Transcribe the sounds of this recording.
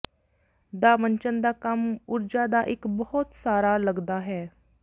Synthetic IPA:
d̪aːməɲt͡ʃənd̪aːkəmʊɾd͡ʒaːd̪aːʔɪkbɔɔt̪saːɾaːləɡd̪aːɦɛː

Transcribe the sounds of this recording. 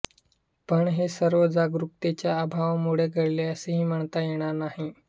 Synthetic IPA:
pəɳɦesəɾʋəd͡zaɡɾuk̚t̪et͡ɕjaəbʱaʋmuɽ̤eɡʱəɽleəseɦiːm̤əɳt̪ajeɽ̃aɾnaɦi

